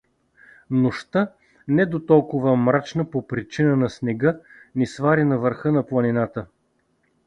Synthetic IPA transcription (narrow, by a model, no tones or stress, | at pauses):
nʊʃt̪ə | nɛd̪ot̪ɔlˠkʊvəmɾat͡ʃnəpopɾit͡ʃinənɐsnɛɡɤ | nisvaɾinɐvəɾxɤnɐplˠɐninat̪ə